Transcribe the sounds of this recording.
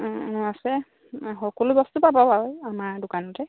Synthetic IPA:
asɛ | xɔkɔlubɔstupababaɦojamaɹdʊkanɔtɛ

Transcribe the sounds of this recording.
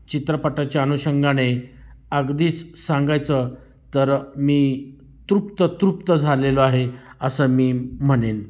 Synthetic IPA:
t͡ɕit̪ɾəpaʈat͡ɕaːnuɕəŋɡañeəɡd̪iːt͡ssaŋɡajt͡sə | t̪əɾmiː | t̪ɾup̚t̪ət̪ɾup̚t̪əd͡zʱaleloaɦeəsəːmiːm̤əɽen

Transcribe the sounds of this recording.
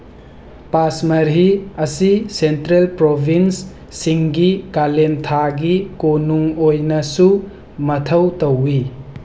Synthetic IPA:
pasmɐɾɦiɐsisentɾelpɾobʱinsː | iŋɡikalentʰaɡikonuŋojnɐsu | mɐtʰɐwtɐwːi

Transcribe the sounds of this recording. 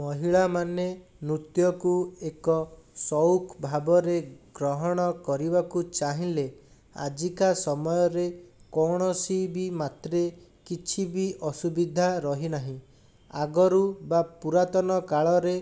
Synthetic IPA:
mɔɦiɭamanenɾut̪jɔkuekɔsɔwkbʱabɔɾeɡɾɔɦɔɽ̃ɔkɔɾibakut͡ʃaɦĩle | a̰d͡ʒikasɔmɔjɔɾekɔɽ̃ɔsibimat̪ɾe | kit͡ʃʰibiʔɔsubid̪ʱaɾɔɦinaɦĩ | aɡɔɾubapuɾat̪ɔnɔkaɭɔɾe

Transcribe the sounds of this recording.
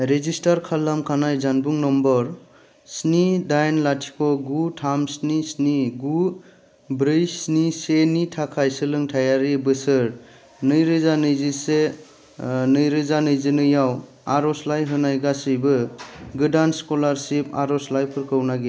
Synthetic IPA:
ɾezistaɾkʰalːamkʰanajzanbuŋnɔmbɔɾ | snidajnlatʰi̥kʰɔɡutʰamsnisniɡu | bɾɯjsnisenitʰakʰajsɯlɯŋtʰajaɾibɯsɯɾ | nɯjɾɯzanɯjzise | nɯjɾɯzanɯjzɯnɯjaw | aɾɔslajɦɯnajɡasɯjbɯɡɯdanskɔlaɾsipʰa̰ɾɔslajpʰɯɾkʰɯwnaɡe

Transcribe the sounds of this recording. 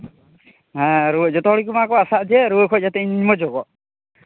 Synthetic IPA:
ɦãɾuəd͡ʒɔt̪ɔɦɔɽik̬umaakɔasaʔd͡ʒɛɾuəkʰɔd͡ʒat̪ɛiɲimɔd͡ʒɔɡɔʔ

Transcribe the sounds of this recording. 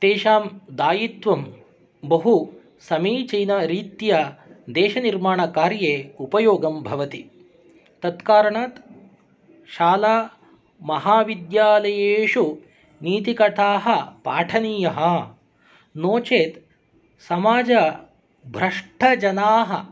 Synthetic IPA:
t̪eːʃaːmd̪aːjit̪ʋɐm | bɐɦu | sɐmiːt͡ʃɐjnɐɾiːt̪jɐd̪eːʃɐniɾmaːɳɐkaːɾjeːupɐjoːɡɐmbʱɐʋɐt̪i | t̪ɐt̪kaːɾɐɳaːt̪ | ʃaːlaː | mɐɦaːʋid̪jaːlɐjeːʃu | niːt̪ikɐʈ̪aːɦɐ̆paːʈʰɐniːjɐɦɐ̆ | noːt͡ʃeːt̪ | sɐmaːd͡ʒɐ | bʱɾɐʂʈʰɐd͡ʒɐnaːɦɐ

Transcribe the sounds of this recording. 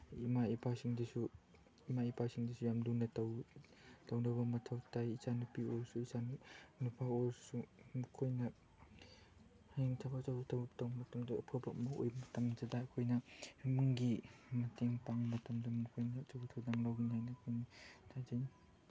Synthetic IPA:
imaipʰasiŋdɐsu | imaipʰasiŋdisujamdunɐtaw | tawnawbɐmɐtʰawtajizanupioɾsuisannupʰaoɾsumukʰojnɐ | heŋtʰabazawtʰawtawmɐtɐmdaːpʰɯbɐmɐo̰jmɐtɐmzadaːkʰojnɐmɯŋɡimɐtʰeŋpaŋmɐtɐmdɐmukʰojnɐt͡ʃabutʰawdaŋlawnajnɐkʰojnitʰazin

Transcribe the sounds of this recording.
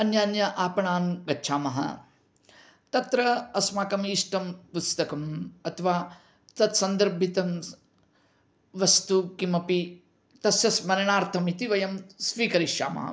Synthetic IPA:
ɐnjaːnjɐʔaːpɐɳaːmɡɐtːʃʰaːmɐɦɐ̰ | t̪ɐt̪ɾɐɐsmaːkɐmiʂʈɐmpust̪ɐkɐmɐt̪ʰɐʋaː | t̪ɐt̪sɐnd̪ɐɾbʱit̪ɐm | ʋɐst̪ukimɐpi | t̪ɐsjɐsmɐɾɐɳaːɾt̪ʰɐmit̪iʋɐjɐmsʋiːkɐɾiʃja̰ːmɐ̰ɦɐ̰

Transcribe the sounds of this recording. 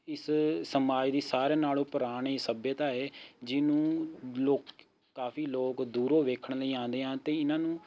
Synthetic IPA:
ɪssəmaːd͡ʒd̪iːsaːɾeːnaːloːpəɾaːɳiːsəbjət̪aːɦeːd͡ʒɪnũːloːkː | aːfʰiːloːkd̪uːɾoːʋeːkʰəɳləiːãːnd̪eːɦãːt̪eːɪnãːnũː

